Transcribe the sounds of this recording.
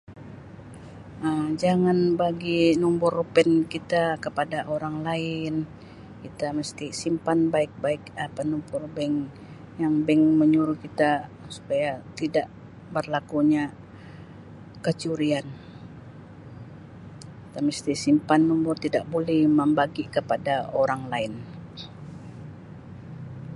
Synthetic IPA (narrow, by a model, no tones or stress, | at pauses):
əmd͡ʒaŋanbaɡinumbʊrpɛnkit̪akəpadaʔoɾaŋlaɪn | kit̪aməst̪isimpanbaɪk̚baɪkapanumpʊrbɛŋ | jaŋbɛŋməɲuɾuhkit̪a | su̥pajat̪idaʔ | bərlakuɲa | kət͡ʃuɾian | kit̪aməst̪isimpanːumpʊrt̪idaʔ̚bolɛhməmbaɡikəpadaoɾaŋlaɪn